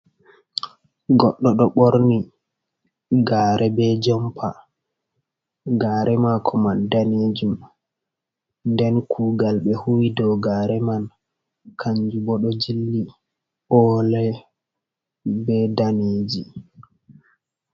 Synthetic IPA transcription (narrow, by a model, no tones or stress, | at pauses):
ɡɔɗːɔɗɔɓoɾni | ɡaːɾɛbɛd͡ʒɔmpʰa | ɡaːɾɛmakʰɔmandaneːd͡ʒum | ndɛnkʰuːɡalɓɛhuwidɔɡaːɾɛman | kʰaɲd͡ʒubɔɗɔd͡ʒilːi | ʔɔlɛ | bɛdaneːd͡ʒi